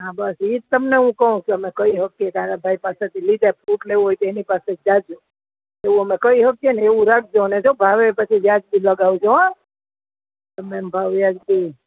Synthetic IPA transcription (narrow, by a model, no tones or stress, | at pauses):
ɦãbasit̪t̪əmneɦũkəɦũt͡ʃʰuəmekəiɦəkːekaɾabʱaipaset̪ʰilid̪ʱepʰuʈleuɦojt̪enipased͡ʒad͡ʒu | eʋũəmekəiɦəkjeneʋũɾak̚ʰd͡ʒoned͡ʒobʱaʋepət͡ʃʰid͡ʒjad͡ʒbiləɡaʋud͡ʒoã | t̪əmembʱaʋjad͡ʒbi